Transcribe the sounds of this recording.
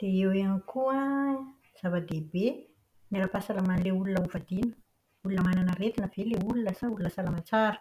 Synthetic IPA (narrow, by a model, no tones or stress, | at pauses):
d̪̥eeweanikʰuə | z̥avad̪ebe | neɾapasalamanleulunəuvad̪inu̥ | ulunəmananəret̪inəv̥eleulunəsaulunəsalamat͡saɾə̥